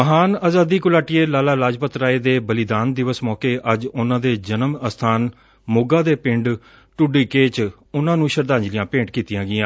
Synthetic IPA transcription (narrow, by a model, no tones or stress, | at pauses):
məɦaːnaːzaːd̪iːkʊlaːʈɪeːlaːlaːlaːd͡ʒpət̪ɾaːeːd̪eːbəlɪd̪aːnd̪ɪʋəsmɔːkeːʔəd͡ʒʊnãːd̪eːd͡ʒənəməst̪ʰaːn | mʊɡaːd̪eːpɪɳɖ | ʈʊɖiːkeːt͡ʃ | ʊnãːnũːʃəɾd̪ãːɲd͡ʒlɪjãːpẽːɳɖkiːt̪ɪjãːɡɪãː